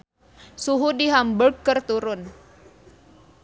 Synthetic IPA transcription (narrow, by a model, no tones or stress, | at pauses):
suɦudiɦamburɡkːərt̪uɾʊn